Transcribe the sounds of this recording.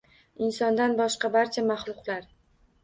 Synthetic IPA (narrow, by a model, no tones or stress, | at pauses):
ɪnsɒnd̪anbɒʃqɑbaɾt͡ʃʰamaχlˠʊqlaɾ